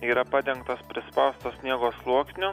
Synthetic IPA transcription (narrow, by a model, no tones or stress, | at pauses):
iːɾɐpɐd̪ʲɛŋkt̪ɐspʲɾʲɪspɐʊst̪oːsʲnʲiɛɡoːslˠuɔksʲnʲʊ